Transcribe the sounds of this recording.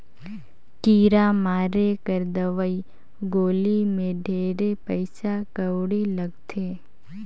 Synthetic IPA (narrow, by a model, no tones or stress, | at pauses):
kiːɾamaːɾekəɾd̪əʋəi | ɡoːlimẽɖʱeːɾepəɪsakəʋɽiləɡt̪ʰe